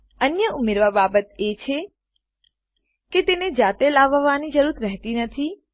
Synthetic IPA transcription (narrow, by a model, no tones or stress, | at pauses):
ənjəumeɾʋababət̪et͡ʃʰe | ket̪ened͡ʒat̪elaʋʋanid͡ʒəɾuɾɾɛɦt̪inət̪ʰi